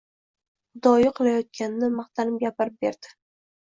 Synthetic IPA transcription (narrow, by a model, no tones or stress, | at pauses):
d̪ɒjɪqʰɨlˠajɒt̪̚kʲanɪnɪmɑχt̪anɪmɡʲapɪɾɪp̚beɾd̪̥ɪ̥